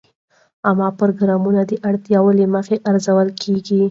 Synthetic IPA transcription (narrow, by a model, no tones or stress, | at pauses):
amɑpʊɾoɡɾɑmunad̪əʔaɽt̪jawəleməxeʔaɾzawəlkʰeɡi